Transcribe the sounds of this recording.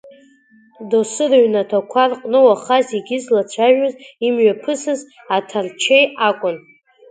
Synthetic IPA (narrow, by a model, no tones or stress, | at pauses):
dosɨraɥnatʰakʷʰarqʼnɨwaχaziɡʲɪzlat͡ʃʷʰaʒᶣazimɥapʰɨsɨz | atʰart͡ʃʰejakʷʼʊn